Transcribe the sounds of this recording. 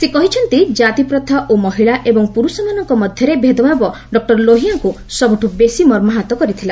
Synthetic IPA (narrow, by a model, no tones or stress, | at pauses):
sekɔɦit͡ʃʰɔnt̪id͡ʒat̪ipɾɔt̪ʰaʔomɔɦiɭaʔebɔŋpuɾusɔmanɔŋkɔmɔd̪ʱjɔɾebʱed̪ɔbʱabɔ | ɖɔk̚ʈɔɾloɦijaŋku | sɔbuʈʰubesimɔɾmɔɦat̪ɔkɔɾit̪ʰila